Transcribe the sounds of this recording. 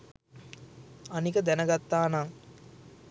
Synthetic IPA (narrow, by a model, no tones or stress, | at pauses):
anikəd̪ɛnəɡat̪ːaːnaŋ